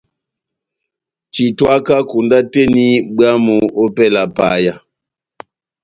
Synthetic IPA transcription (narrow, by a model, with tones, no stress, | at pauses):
ti˨twa˦ka˦ku˨nda˦te˦ni˦ɓɰa˦mo˨o˦pɛ˦la˨pa̰˨˦ja˨